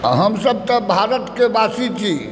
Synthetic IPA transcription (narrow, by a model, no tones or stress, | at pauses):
ɦəmsəb̚t̪əbʱaɾət̪kebasit͡ʃʰi